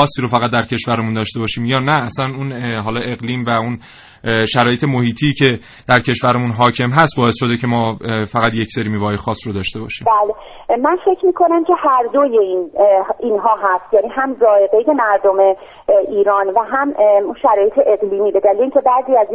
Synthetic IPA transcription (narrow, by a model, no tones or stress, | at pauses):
ɒːsːiːɾofæɣæt̪̚d̪æɾcʰe̞ʃvæɾemund̪ɒːʃt̪e̞bɒːʃiːmjɒːnæːslænunɦɒːlɒːʔe̞ɣliːmvæun | ʃæɾɒːjet̪emo̞hiːt̪ʰiːcʰe̞ | d̪̥æɾcʰe̞ʃvæɾemunɦɒːcʰe̞mɦæst̪̚bɒːesʃo̞d̪ecʰe̞mɒːfæɣæt̪jecseɾimiːvɒːɒjexɒːsːrod̪ɒːʃt̪e̞bɒ̰ːʃiːbæːle | mænfe̞cʰmiːkʰo̞næmcʰe̞hæɾd̪ojeiniːnɦɒːɦæst̪jæniːɦæmzɒːeɡe̞jdemæɾd̪ome | iːɾɒːnvæɦæmunʃæɾɒːjet̪ʰeʔeɣliːmiːbe̞d̪ælileiːŋcʰe̞bæːziːæz